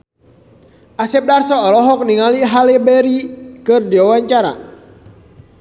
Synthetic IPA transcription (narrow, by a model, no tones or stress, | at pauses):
ʔasɛp̚darsɔːlɔɦɔk̚niŋaliɦalɛbɛɾikɨrdiwawaɲt͡ʃaɾa̰